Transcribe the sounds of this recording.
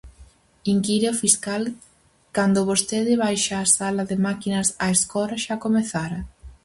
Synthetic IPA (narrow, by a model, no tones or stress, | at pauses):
iŋkiɾeofiskal | kand̪ʊβost̪eðɪβajʃaːsalaðemakinɐsaeskɔɾaʃakomeθaɾɐ